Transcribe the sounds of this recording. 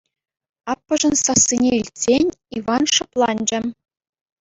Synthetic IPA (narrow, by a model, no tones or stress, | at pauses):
ɑpːɤ̆ʐɤ̆nsɑsːinʲeilʲtʲsʲenʲiʋɑnʂɤ̆plˠɑnʲd͡ʑɘ̆